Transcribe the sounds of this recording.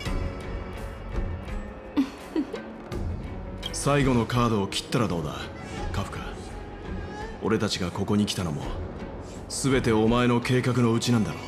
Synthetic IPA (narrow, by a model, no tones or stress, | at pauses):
saiɡo̞no̞kaːd̪o̞ːkʲi̥t̪ːaɾad̪o̞ːd̪a̰ | kaɸɯ̟̥ka | o̞̰ɾe̞t̪at͡ɕiɡako̞ko̞ɲ̟ikʲi̥t̪ano̞̰mo̞̰ | sɨbe̞t̪e̞o̞mae̞no̞kʰe̞ːkak̬ɯ̟no̞ɯ̟t͡ɕinãnd̪aɾo